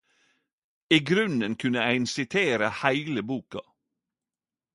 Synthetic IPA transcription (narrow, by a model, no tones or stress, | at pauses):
iːɡɾʉnənkʰʉnəæɪnsɪt̪ʰeːɾəhæɪləbuːkɑ